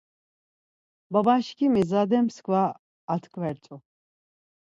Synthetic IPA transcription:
babaʃkʰimizad̪ɛmskʰvaː | t̪ʰkʰʼvɛɾt͡sʼu

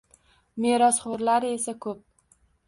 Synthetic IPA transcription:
me̞ɾɒsχoɾlaɾɪe̞sakʰɵp̚

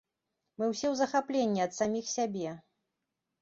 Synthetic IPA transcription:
mɨwsʲɛwzɐxaplʲenʲːiɐt̪samʲixsʲabʲɛ

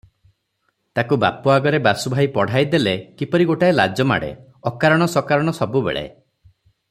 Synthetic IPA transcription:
t̪akuba̰puaɡɔɾebasubʱajpɔɽ̤ajd̪elekipɔɾiɡoʈaela̰d͡ʒɔma̰ɽḛ | ɔkaɾɔɽ̃ɔsɔkaɾɔɽ̃ɔsɔbubḛɭḛ

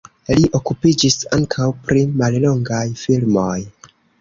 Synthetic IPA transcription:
liʔo̞kupid͡ʒisaŋkʰawpɾimallo̞ŋɡajfilmo̞j

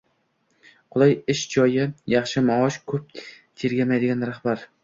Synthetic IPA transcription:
qʰʊlˠajɪʃd͡ʒɒjɪjɑχʃɪmaɒʃkʰɵp̚ | t̪ʰeɾɡʲamajd̪ɪɡʲanɾaχbaɾ

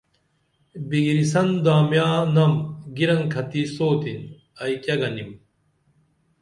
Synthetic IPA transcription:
biɡiɾisɐnd̪aːmjaːnɐmɡiɾɐŋkʰɐt̪isoːt̪in | ɐikɐɡɐnim

